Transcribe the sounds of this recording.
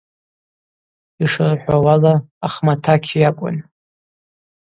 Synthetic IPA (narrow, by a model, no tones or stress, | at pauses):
iʂɨrħʷawalaː | χmatʰakʲʰjakʷʼʊ̰n